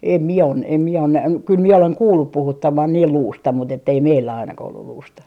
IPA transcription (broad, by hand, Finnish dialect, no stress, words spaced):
em mie o em mie on næh kyl mie oleŋ kuːlːup puhutːɑmɑn niːl luːstɑ mut etːei meilːæ ɑinɑkɑh olːul luːstɑ